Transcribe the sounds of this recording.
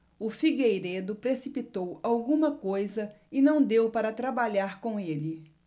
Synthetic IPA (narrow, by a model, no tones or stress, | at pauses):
ʊfiɡejɾed̪ʊpɾesipit̪owawɡũmɐkojzɐ | ɪnɐ̃w̃d̪ewpaɾɐt̪ɾabaʎaɾkõw̃elɪ